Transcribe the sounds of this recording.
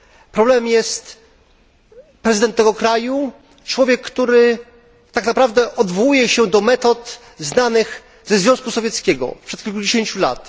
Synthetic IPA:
pɾɔblɛmjɛst̪ | pɾɛzɨɘd̪ɛnt̪ːɛɡɔkɾaju | t͡ʂwɔvʲjɛkːt̪uɾɘ | t̪aknapɾavd̪ɛʔɔd̪vɔwujɛɕɛd̪ɔmɛt̪ɔt̪ | znanɘx | zɛzvʲjɔ̃skusɔvʲjɛt̪skʲɛɡɔ̰pʂɛt̪kʲilkud͡ʑeɕeɲt͡ɕula̰t̪

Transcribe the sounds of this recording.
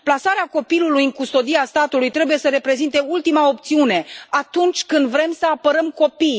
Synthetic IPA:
plasaɾeako̞pilulujɨŋkust̪o̞d̪iast̪at̪ulujt̪ɾe̞bujesəɾe̞pɾe̞zint̪e̞ult̪imao̞p̚t̪siune̞at̪unt͡ʃʲkɨnd̪vɾe̞msəapəɾəmko̞pij

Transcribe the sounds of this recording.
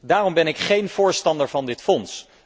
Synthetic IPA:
daːrɔmbɛnɪkχejnv̥ʊːɹstɑndəɹvɑndɪtfɔns

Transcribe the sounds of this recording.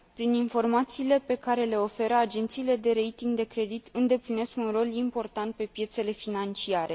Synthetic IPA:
pɾininfo̞rmat̪siːle̞pe̞kaɾe̞le̞o̞fe̞ɾəad͡ʒe̞nt̪siːle̞d̪e̞ɾe̞jt̪iŋɡd̪e̞kɾe̞d̪it̪ɨnd̪e̞pline̞skunro̞limpo̞rt̪ant̪̚pe̞pje̞t̪se̞le̞finant͡ʃiaɾe̞

